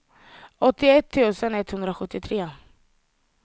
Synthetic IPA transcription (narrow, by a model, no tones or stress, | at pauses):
ɔt̪ːɪɛt̪ʰːʉ̟ːsənɛt̪hɵnd̪ɾaɧɵt̪ːɪt̪ʰɾeː